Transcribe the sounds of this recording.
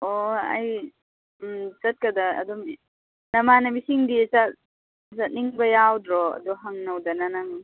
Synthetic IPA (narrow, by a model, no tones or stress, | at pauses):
oɐ̰j | t͡ʃɐt̚kɐdaɐ̰dɔm | nɐmanɐmisiŋdit͡ʃat̚ | sat̚niŋbɐjawdɾɔɐ̰dɔɦaŋnɐwdɐnanaŋ